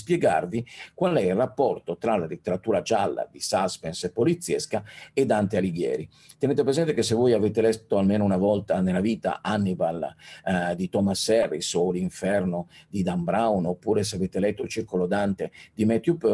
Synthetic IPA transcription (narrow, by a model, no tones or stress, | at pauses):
spjɛɡa̰rvikwalɛilrapːɔrt̪ot̪ɾalalit̪ːeɾat̪uːɾad͡ʒalːa̰d̪isaspɛnsepːolit̪sːjɛskaed̪ant̪ealiɡjɛ̰ːɾi | t̪eɛneːt̪̬epɾezɛnt̪ekesːevːojaveːt̪elɛt̪ːoalmeːnounavɔlt̪anelːaviːt̪a̰ʔanːibal | d̪it̪ɔmasːɛrːisoliɱfɛrnod̪id̪ambɾawnopːuːɾes̬eaveːt̪elɛt̪ːoilt͡ʃirkolod̪ant̪ed̪imɛt̪jupø